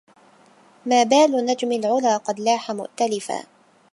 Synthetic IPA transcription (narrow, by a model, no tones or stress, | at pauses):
maːbaːlʊnad͡ʒmɪlʕʊlaːqɑd̪laːħamʊ̰ʔt̪alɪfa̰ː